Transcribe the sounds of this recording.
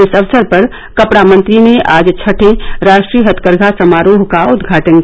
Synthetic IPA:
ɪsəʋsəɾpɐɾ | kəpɽamə̃nt̪ɾineʔaːd͡ʒt͡ʃʰəʈʰẽɾaːʃʈɾiɦət̪ʰkəɾɡʱasəmaːɾoːɦkaʊd̪ɡʱaːʈən

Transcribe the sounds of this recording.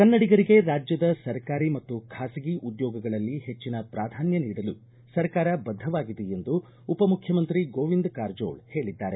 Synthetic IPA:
kɐnːɐɽiɡɐɾiɡe̞ɾaːd͡ʒjɐd̪ɐsɐɾkaːɾimɐt̪ːukʰaːsiɡiʔud̪jɔːɡɐɡɐɭɐlːihe̞t͡ʃːinɐpɾaːd̪ʱaːnjɐniːɽɐlu | sɐɾkaːɾɐbɐd̪ʱːɐʋaːɡid̪eend̪uː | pɐmukʰjɐmɐnt̪ɾiɡoːʋind̪kaːɾd͡ʒo̞̰ːɭhe̞ːɭid̪ːaːɾe̞

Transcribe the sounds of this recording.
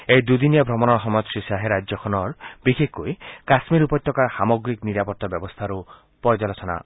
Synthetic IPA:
ejd̪ud̪injabʱɾɔmɔnɔɾɦɔmɔjt̪ʃisaɦeɾad͡ʒɔkʰɔnɔɾb̥ikekoekasmiɾupɔt̪ːɔkaɾhamɔɡɾikniɾapɔɾt̪abjɔbɔst̪ʰaɾu | pɔɾd͡ʒalɔtʰɔna̰

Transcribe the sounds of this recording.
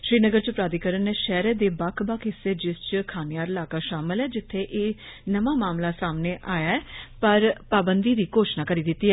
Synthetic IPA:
ʃɾiːnəɡəɾt͡ʃpɾaːd̪ikəɾənːeːʃɛːɾeːd̪eːbakʰbakʰɪseːd͡ʒɪst͡ʃkʰaːnɪjaːɾɪlaːkaːʃaːmɪlɛːd͡ʒɪt̪ʰːeːʔeː | nəmaːmaːmlaːsaːmneːʔaːjaːɛːpəɾpaːbənd̪iːd̪iːkoːʃnaːkəɾiːd̪ɪt̪ːiːɛː

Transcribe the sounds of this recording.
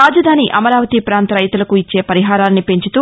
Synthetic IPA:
aːd͡ʒɐd̪ʱaːniʔɐmɐɾaːʋɐt̪ipɾaːnt̪ɾɐjt̪ulɐkuit͡ʃːe̞ːpɐɾiɦaːɾaːlnipe̞ɲt͡ʃut̪uː

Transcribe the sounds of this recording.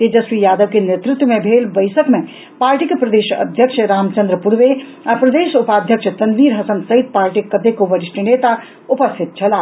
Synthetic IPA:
t̪ed͡ʒəsʋijaːd̪əʋkenet̪ɾut̪wəmebʱelbəjsəkme | paːɾʈikepɾəd̪eʃə̰d̪ʱjəkʃʰəɾaːmt͡ʃənd̪ɾəpuɾʋe | apɾəd̪eːʃupad̪ʱjəkʃʰət̪ɐnʋiɾɦɐsənsəɦit̪̚paːɾʈikːəd̪ʱekoʋəɾiʃʈinet̪a | upəst̪ʰit̪̚t͡ʃʰɐla

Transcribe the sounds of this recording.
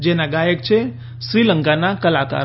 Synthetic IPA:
d͡ʒenaɡajək̚t͡ʃʰe | ʃɾiləŋkanakəlaka̰ɾ

